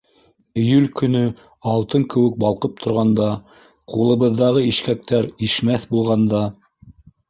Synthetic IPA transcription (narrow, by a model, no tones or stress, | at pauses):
ɘ̆jʉlkɵ̆nɵ | ɑlˠt̪ɤŋkɘ̆wɘ̆k̚bɑlˠqɤp̚t̪ʰŏɾʁɑnd̪ɑ | qulˠɤ̆βɤ̆ðːɑʁɤiʃkæk̚t̪æɾiʃmæθbulˠʁɑnd̪ɑ